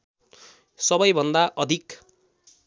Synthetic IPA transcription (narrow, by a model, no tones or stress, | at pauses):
sʌbʌjbʱʌnd̪aʔʌd̪ʱik